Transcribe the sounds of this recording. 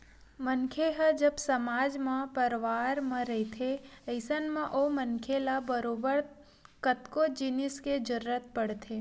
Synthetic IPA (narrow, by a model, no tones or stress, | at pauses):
mənkʰeɦəd͡ʒəbsəmaːd͡ʒmãpəɾʋaːɾmãɾəɦit̪ʰeəɪsənmãʔomənkʰelabəɾobəɾ | kət̪kod͡ʒɪnɪsked͡ʒəɾɾət̪̚pəɽt̪ʰeː